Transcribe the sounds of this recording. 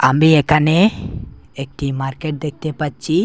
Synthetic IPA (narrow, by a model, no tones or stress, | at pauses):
ambiekane | ek̚ʈimaɾkeʈ̚d̪ek̚t̪epət̚t͡ʃʰi